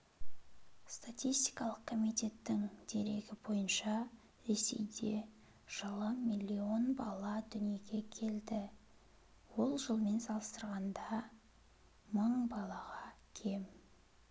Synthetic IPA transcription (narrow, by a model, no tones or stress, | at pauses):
st̪ʰat̪ijst̪ijkɑlˠəqkʰomijt̪ʲe̞t̪ːɪŋd̪̥e̞ɾe̞ɡʲɪbo̞jənʃɑ | ɾe̞se̞̰jd̪e̞ | ʒ̥ɑlˠɑmmilʲːio̞nbɑlˠɑd̪ʏnije̞ɡʲe̞kʲʰe̞ld̪ɪ | wo̞lˠʒəlˠme̞nsɑlˠəst̪əɾʁɑnd̪ɑ | məɴbɑlˠɑʁɑkʲʰe̞m